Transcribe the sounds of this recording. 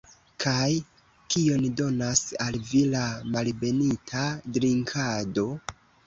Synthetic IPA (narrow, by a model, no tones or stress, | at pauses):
kʰaj | kio̞ndo̞nasalvilamalbe̞nitʰadɾiŋkʰado̞